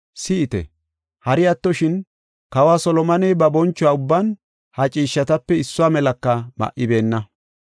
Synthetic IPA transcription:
sɪɪt̪ɛ̰ | hɐɾɪɐt̪ːɔʃɪn | kɐwaːsɔlɔmɐnɛjbɐbɔnt͡ʃːʊaːʊbːan | hɐt͡ʃʼiːʃːɐt̪ɐpːɛɪsːʊaːmɛlɐkːɐmɐ̰ʔɪbe̞ːnːɐ

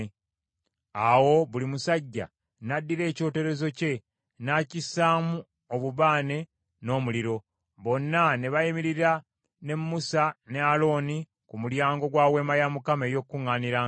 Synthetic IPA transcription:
awo̞βulimusaɟːa̰ | nadːiɾe̞ːco̞ːte̞ɾe̞zo̞ce̞ | nacisaːmu | oβuβaːne̞ | no̞ːmuliɾo̞ | βo̞nːaneβaimiɾiɾa | ne̞mːusanealo̞ːni | kumuɾjaːŋɡo̞ɡwaːwe̞ːmajamukame̞ːjo̞kːuŋːaːniɾaː

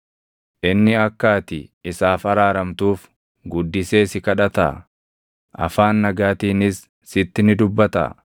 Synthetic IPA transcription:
ʔɪnːɪɐkːaːt̪ɪɪsaːfɐɾaːɾɐmt̪uːf | ɡʊd̪ːɪse̞ːsɪkɐᶑɐt̪a̰ː | ʔɐ̰faːnːɐɡaːt̪iːnɪsː | ɪt̪ːɪnɪd̪ʊbːɐt̪ɐ̰

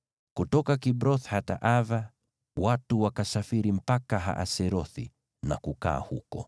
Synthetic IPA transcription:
kutɔkakibɾɔθhata̰ʔava | watuwakasafiɾim̩pakaɦa̰ʔa̰sɛɾɔθḭ | na̰kuka̰ːhukɔ̰

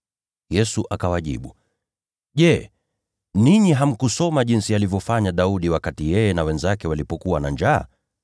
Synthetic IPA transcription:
jɛsuʔakawaʄḭɓu | ʄɛ | niɲiɦam̩kusɔmaʄinsialivjɔfaɲaɗauɗiwakatijɛjɛnawɛnzakɛwalipɔkuwanaɲd͡ʒa̰ː

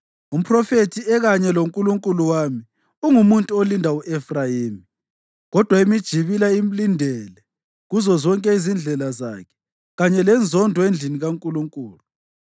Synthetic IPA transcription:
um̩pʰrɔfetʰiɛɣaɲɛloŋkʼuluŋkʼuluwami | uŋumuntʼuolindʱauʔɛfrajiːmi | ɣɔd̥ʱwaimid̥ʒ̥ʱiβilaim̩lindʱɛlɛ | ɣuzɔzɔŋkʼɛizind͡ɮʱɛlaza̰kʰɛ̥ | ɣaɲɛlɛnd͡zʱɔndʱɔend͡ɮʱiniɣaŋkʼuluŋkʼuːlu

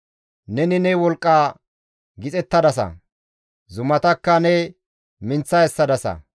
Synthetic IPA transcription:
nɛnɪnɛwɔlkʼːa | ɡɪt͡sʼɛt̪ːɐd̪ɐsɐ̰ | zʊmɐt̪ɐkːɐnɛ | mɪnt͡sːɐɛsːɐd̪ɐsɐ̰

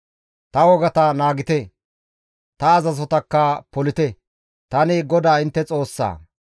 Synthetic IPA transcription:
t̪ɐwɔɡɐt̪ɐnaːɡɪt̪ɛ | t̪ɐːzɐzɔt̪ɐkːɐpɔlɪt̪ɛ | t̪ɐnɪɡɔd̪aːɪnt̪ːɛt͡sʼo̞ːsːa̰ː

